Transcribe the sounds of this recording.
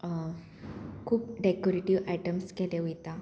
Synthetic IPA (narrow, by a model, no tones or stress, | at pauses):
kʰuːp̚ɖekoɾeʈiʋajʈəmskɛleujt̪a